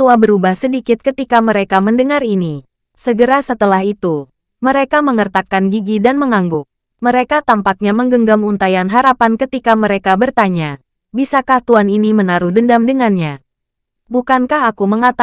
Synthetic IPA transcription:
t̪uabəɾubahsədikɪt̪̚kət̪ikaməɾekaməndəŋaɾini | səɡəɾasət̪əlaɦit̪u | məɾekaməŋərt̪akanɡiɡidanməŋaŋɡʊk̚ | məɾekat̪ampak̚ɲaməŋɡəŋɡamunt̪ajanɦaɾapankət̪ikaməɾekabərt̪aɲa | bisakaht̪uaninimənaɾuhdəndamdəŋanɲa | bukankahakuməŋat̪a

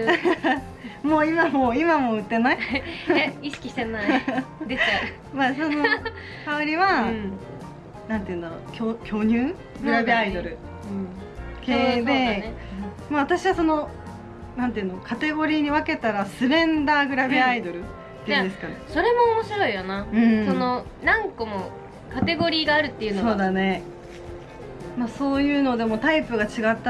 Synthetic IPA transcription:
moːimamoːimamo̞ɯ̟t̪ːe̞nai | iɕi̥kʲiɕt̪enad̪e | maːso̞no | kaoɾʲiβa | nãnt̪eiɯ̟̃nd̪aɾo̰kʲokʲʰo̞ːɲʲɨː | ɡɯɾabʲeaid̪o̞ɾɯ̟̃ | keːd̪e̞ | maβat̪aɕiβaso̞no̞ | nãnt̪eɯ̟̃nokʰat̪e̞ɡo̞ɾʲiːɲ̟iβake̞t̪aɾasɨɾẽ̞nd̪aːɡɯ̟ɾabʲiaid̪o̞ɾɯ̟ | t̪ːeĩnd̪esɨ̥kaneso̞ɾe̞mo̞ːmoɕiɾo̞ijonaɯ̟̃ɴso̞no̞nãŋkomo | kat̪e̞ɡo̞ɾʲiːɡaːɾɯ̟t̪ːe̞iɯ̟noso̞ːd̪ane̞ | maso̞ːjɯ̟ːno̞d̪e̞mo̞t̪aipɯ̟ɡat͡ɕiɡat̪ːa

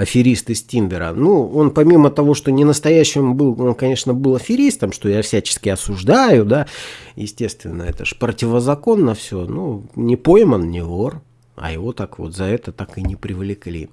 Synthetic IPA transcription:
ɐfʲɪɾʲist̪ɨsʲtʲinbʲɪɾə̰nuo̞npɐmʲimət̪ɐvo̞ʂt̪o̞nʲɪnəst̪ɐjæɕːɪmbɨlˠo̞nkɐnʲe̞ʂnəbɨlˠɐfʲɪɾʲist̪əmʂt̪o̞jafsʲæt͡ɕɪ̥skʲɪɐsʊʐd̪ajʊd̪ajɪsʲtʲe̞st̪vʲɪ̰nːəɛt̪əʐpɾətʲɪvəzɐko̞nːəfsʲɵnunʲɪpo̞jmənnʲɪvor | ɐ̰jɪvo̞t̪akvo̞̰t̪zɐɛt̪ət̪akɨnʲɪpɾʲɪvlʲɪklʲḭ

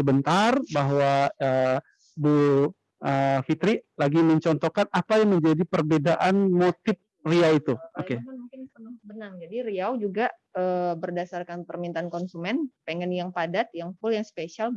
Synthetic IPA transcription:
səbənt̪arbaɦwaə | bu | ʔəfit̪ɾilaɡiməɲt͡ʃɔnt̪ɔkanapajaŋməɲd͡ʒadipərbedaʔanmot̪ɪp̚riait̪uokenmuŋkɪnsənaŋsəbənaŋd͡ʒadiɾiawd͡ʒuɡa | əbərdasarkanpərmint̪aankɔnsumɛnpeŋɛnjaŋpadat̪̚jaŋfʊljaŋspesial

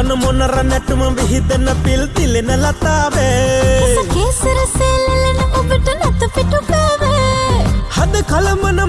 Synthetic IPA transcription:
ɐnɐmonɐɾɐnɛʈumɐʋiɦid̪ɐnɐpilt̪ilenɐlɐt̪aːʋesɐkeːsɐɾɐseːlɐlɐnɐmɐbiʈɐnɐt̪ɐpiʈukaːʋe | hɐd̪ɐkɐlɐmɐnɐ

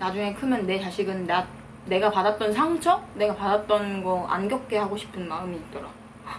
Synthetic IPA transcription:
nad͡ʑuŋe̞kʰɯmjʌnːe̞t͡ɕaɕʰiɡɯnːa | ne̞ɡapadat̚t͈ʌnsʰaŋt͡ɕʰʌne̞ɡapadat̚t͈ʌnɡʌa̰nɡjʌp̚k͈e̞haɡoɕʰi̥pʰɯnmaɯmiːt̚t͈ʌɾaɡo

